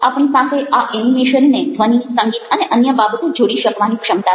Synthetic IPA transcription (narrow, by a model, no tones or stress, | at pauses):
apɳ̃ipasʰeʔaʔenimeʃənːed̪ʱʋənisə̃ŋɡit̪əneʔənjəbabət̪od͡ʒoɽiʃəkʋanikʃəmt̪a